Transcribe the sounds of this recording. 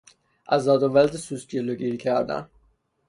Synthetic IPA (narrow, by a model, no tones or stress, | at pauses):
ʔæzɒːd̪ovæld̪esusd͡ʒeloɟiːɾikcʰæɾd̪æ̰n